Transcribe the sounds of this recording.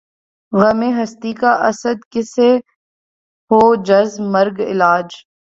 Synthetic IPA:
ɣɐmeːɦɐst̪ikaʔɐsəd̪kɪse | hoːd͡ʒɐzmɐɾɡɪ̰laːd͡ʒ

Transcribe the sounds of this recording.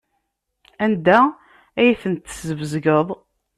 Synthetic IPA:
ænd̪æ | æjθənt̪ːə̥zəvəzɡəðˤ

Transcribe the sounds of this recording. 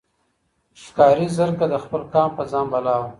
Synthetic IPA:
ʃkɑːɾizəɾkad̪əxpəlkɑːmpəzɑːmbalɑw

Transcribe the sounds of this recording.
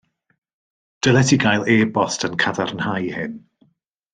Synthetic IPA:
d̥əlˠɛtʰiɡajlˠeːbɔstʰənkʰaðarnhajhɪn

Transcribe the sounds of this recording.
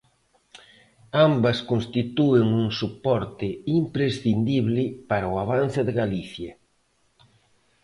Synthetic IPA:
ambɐskonst̪it̪uɪŋuŋsupɔɾt̪ɪimpɾesθind̪iβlɪpaɾaʊaβ̞an̟θɪðɪɣaliθjɐ

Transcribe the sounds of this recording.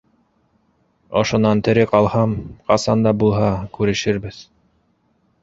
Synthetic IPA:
ŏ̰ʃŏnɑnt̪ɘ̆ɾɘqɑlˠhɑmqɑsɑnd̪ɑbulˠɦɑkʉɾɘ̆ʃɘ̆ɾbɘð

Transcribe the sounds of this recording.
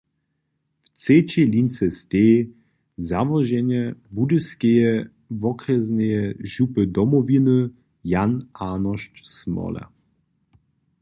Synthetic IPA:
ft͡set͡ɕelint͡sɛst̪ʲeː | zavɔʒɛɲɛbud̪ɨskejɛ | vɔkrɛznɛjɛʒupəd̪ɔmɔvinɨ | janaːnɔʃt͡ʃsmɔ̰lɛ̰

